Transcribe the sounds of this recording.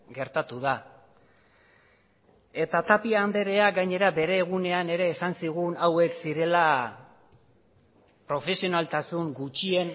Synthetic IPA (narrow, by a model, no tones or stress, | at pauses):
ɡe̞ɾt̪at̪uð̞a | e̞t̪at̪apiaːnd̪e̞ɾe̞aɡajɲe̞ɾabe̞ɾe̞ːɣ̞une̞ane̞ɾe̞ːsansiɣ̞unawe̞ksiɾe̞la | pɾo̞fe̞sio̞nalt̪asuŋɡut͡ʃie̞n